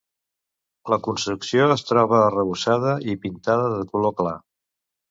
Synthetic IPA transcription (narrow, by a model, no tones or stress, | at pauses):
ləkunst̪ɾuksioəst̪ɾɔβəːrəβusaðəipint̪aðəðəkulokla